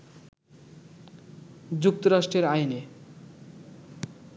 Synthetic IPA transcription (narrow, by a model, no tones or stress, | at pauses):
d͡ʑuk̚t̪oɾaʃʈɾeɾajne